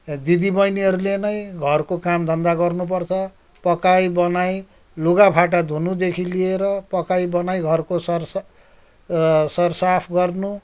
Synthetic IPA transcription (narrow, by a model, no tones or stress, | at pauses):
d̪id̪ibʌjniɦʌɾulenʌjɡʱʌrkokamd̪ʱʌnd̪aɡʌrnup̬ʌrt͡sʰʌ | pʌkajbʌnaj | luɡapʰaʈ̬ad̪ʱunud̪ekʰilieɾʌpʌkajbʌnajɡʱʌrkosʌr | sʌrsapʰɡʌrnu